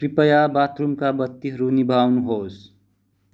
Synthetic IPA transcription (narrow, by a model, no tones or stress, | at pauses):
pɾipəjabaːt̪ɾumkabət̪ːiɦəɾunibʱaːwnuɦoːs